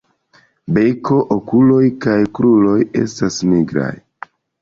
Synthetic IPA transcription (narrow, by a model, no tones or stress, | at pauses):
be̞ko̞ʔokulo̞jkajkɾulo̞je̞̰stasmiɡɾa̰j